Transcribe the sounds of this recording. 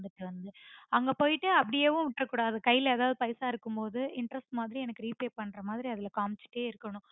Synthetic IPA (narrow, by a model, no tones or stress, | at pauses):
ɖɐʈːɯʋɐnd̪ɯɐŋɡɐpoːjɪʈːɯɐpːɐɽɪjeːʋʊ̃ʋɪʈːɾɐkːuːɽaːɐðɯkɐjːɪleːðaːʋðɯpɐɪsaːɪɾɯkːɯmpoːðɯɪɳʈɾɐsʈmaːðɪɾiɛnɐkːɯɾiːpeːpɐɳːɾɐmaːðɪɾiɐðɪlɐkaːmt͡ʃɪ̥ʈːeːɪɾɯkːɐɳʊ̃